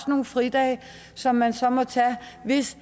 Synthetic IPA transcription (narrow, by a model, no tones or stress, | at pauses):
sno̝ːnfʁid̥ɛ̰ɪ | sɒ̽mːænsɒ̽mɒ̽t͡sʰɛʋe̝s